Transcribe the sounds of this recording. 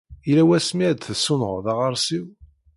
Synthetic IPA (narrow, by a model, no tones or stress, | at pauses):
ilæwæsmiæd̪θsːunəʁðɑʁəɾˤsiw